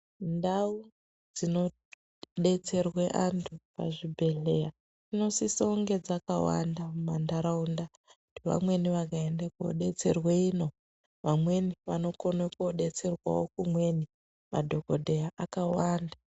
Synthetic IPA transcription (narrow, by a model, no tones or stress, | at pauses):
ndau | d͡zino̞ | ɗe̞t͡se̞rweʔantʰupa̰ʐibʱe̞ɮeja | tino̞sisauŋɡe̞d͡zakawa̰ndamumandaɾaunda | kutiʋa̰mwe̞niʋakaendako̰ɗe̞t͡se̞rweiːno̞ | ʋamwe̞niʋano̞ko̞nekoɗe̞t͡se̞rwa̰wokumwe̞ni | ma̰dʱo̞kodʱe̞jaʔakawaːnda